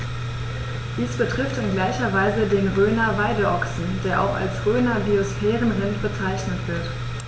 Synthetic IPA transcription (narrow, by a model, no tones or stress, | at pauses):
d̥iːsb̥ətʁ̥ɪftɪnɡlaɪçɐvaɪzədeːnʁøːnɐvaɪdəʔɔksn̩deːɐʔa̰ʊxa̰lsʁøːnɐbiosfɛːʁənʁɪnb̥ət͡saɪçnətv̥ɪɐt